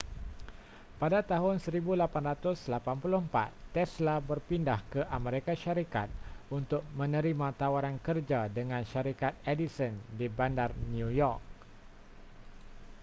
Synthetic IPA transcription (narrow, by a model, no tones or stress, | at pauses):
padat̪aɦʊnsəɾibulapanrat̪ʊslapanpulʊhəmpa̰t̪ːɛslabərpindahkəʔameɾikaʃaɾikat̪̚unt̪ʊk̚mə̃nə̃ɾimãt̪awaɾankərd͡ʒadəŋãnʃaɾikat̪̚edisɔndibandarnjujɔrk̚